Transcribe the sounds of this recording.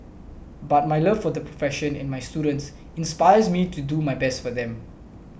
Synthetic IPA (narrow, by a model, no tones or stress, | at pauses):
bat̚majləvfɔd̪əpʰɹɔfɛʃə̃nɛ̰̃nmajstjudə̃nts | ĩnspajəzmitudumajbɛstfɔd̪ɛ̃m